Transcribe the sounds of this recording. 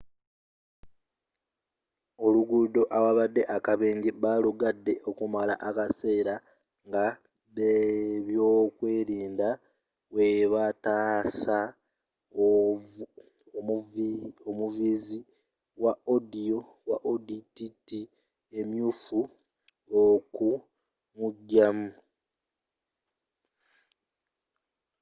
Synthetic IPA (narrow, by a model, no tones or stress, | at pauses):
o̞luɡudo̞ʔawaβadːe̞ʔakaβeːɲɟiβaluɡadːe̞ʔo̞kumala̰ʔakase̞ːɾa | ŋɡa | βeβjoːkwe̞ːɾiːnda | we̞βataːsa | o̞muvizi | waodio̞ | waʔodititi | e̞mjuːfu | oku | muɟːamu